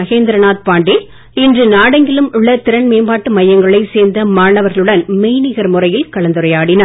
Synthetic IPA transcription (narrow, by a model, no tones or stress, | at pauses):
ɐɣeːnd̪ɪɾɐnaːt̪̚paːɳɖɪ | ɪndrɯnaːɽɐŋɡɪɭɯmʊɭːɐt̪ɪɾɐnmeːmbaːʈːɯmɐjːɐŋɡɐɭɐɪseːɾnd̪ɐmaːɳɐʋɐɾɣɐɭɯɽɐnmeːnɪɣɐɾmɯrɐjɪlkɐɭɐnd̪ɯɾɐjaːɽɪnɐ